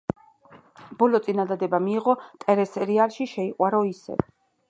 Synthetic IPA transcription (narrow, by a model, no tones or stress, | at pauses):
b̥ɔlɔt̪sʼinad̪ad̪ɛbamiːʁɔt̪ʼɛɾɛsɛɾialˠʃiʃɛiqʼwaɾɔisɛ̰